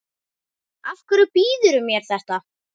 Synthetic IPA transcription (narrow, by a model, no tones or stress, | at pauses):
afkʏɾʏpiːðʏɾʏmjɛɾ̥θɛht̪a